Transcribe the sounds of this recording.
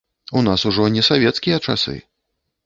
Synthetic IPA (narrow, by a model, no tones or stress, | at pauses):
unasuʐɔnʲɛsavʲɛt̪skʲijɐt͡ʂa̰sɨ̰